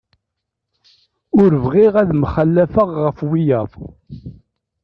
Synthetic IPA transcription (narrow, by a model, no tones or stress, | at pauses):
ʊɾəvʁiʁæðmχəlːæfəʁːəfwijəðˤ